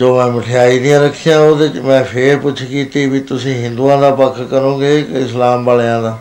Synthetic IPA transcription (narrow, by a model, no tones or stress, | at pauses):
d͡ʒoːmɛ̃ːmɪʈʰɪjaːiːd̪ɪjãːɾəkʰːijãːoːd̪eːmɛ̃ːpʰeːɾpʊt͡ʃʰkiːt̪iːbiːt̪ʊsĩːɦɪ̃nd̪uːãːd̪aːpəkʰːkəɾõːɡeːɪslaːmbəljãːd̪aː